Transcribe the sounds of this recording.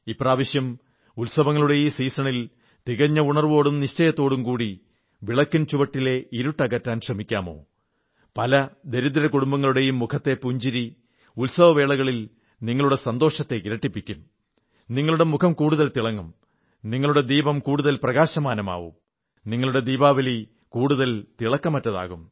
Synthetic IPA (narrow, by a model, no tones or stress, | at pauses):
iːpraːʋɐɕjɐm | ulsɐʋɐŋːɐɭuɽe̞jumsiːsɐɳil | t̪iɣɐɲːɐuɳɐrʋo̞ːɽumniɕt͡ɕɐjɐt̪ːo̞ːɽumkuːɽi | ʋiɭɐkːunt͡ɕuʋɐʈːile̞iɾuʈːɐɣɐtːaːnɕrɐmikʲːaːmo̞̰ː | pɐlɐd̪e̞ɾuðɐɾɐkuɽumbɐŋːɐɭuɽe̞jumːukʰɐt̪ːe̞puɲd͡ʑiɾi | ulsɐʋɐʋe̞ːɭɐɣɐɭil | niŋːɐɭuɽe̞sɐnd̪o̞ːʂɐt̪ːe̞iɾɐʈːipːikʲːum | niŋːɐɭuɽe̞mukʰɐmkuːɽuðɐlt̪iɭɐŋːum | niŋːɐɭuɽe̞d̪iːbɐmkuːɽuðɐlprɐɣaːɕɐmaːnɐma̰ːʋṵm | niŋːɐɭuɽe̞d̪iːbaːʋɐli | kuːɽuðɐlt̪iɭɐkːɐmɐtːɐða̰ːɣum